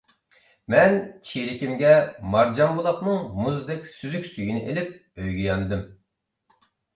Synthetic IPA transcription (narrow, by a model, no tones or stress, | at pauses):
mɛnt͡ʃʰiɾɪkʲimɡʲɛmɑɾd͡ʒɑmbulˠɑχnɨŋmuzd̪ɛkʲsyzykʲsyɡʲinɪʔelɪp̚ | øjɡʲijɑnɨd̪ɨm